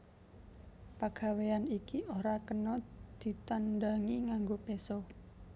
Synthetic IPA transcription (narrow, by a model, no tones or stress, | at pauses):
paɡ̥a̤weanikiʔoɾakənɔd̪̥i̤t̪anɖaŋiŋaŋɡopeso